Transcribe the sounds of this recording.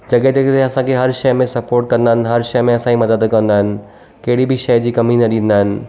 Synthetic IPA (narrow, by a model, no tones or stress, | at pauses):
d͡ʑɐɠet̪ekt̪eɐsãkʰeɦɐɾʃɐjmẽsɐpoːɾʈ̚kɐ̃nd̪aːɦɪnɦɐɾʃɐjmẽɐsãimɐd̪əd̪kɐ̃nd̪aːɦɪnɪ̆ | kɐɦɪɽibʱɪʃɐjd͡ʑiːkɐminɐɗĩːn̆d̪aːɦɪnɪ̆